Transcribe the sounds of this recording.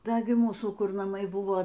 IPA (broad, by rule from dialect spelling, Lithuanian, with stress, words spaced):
ˈdɐ ɡʲɪ ˈmuːsuː ˈkʊr nɐˈmɐɪ ˈbʊʋoː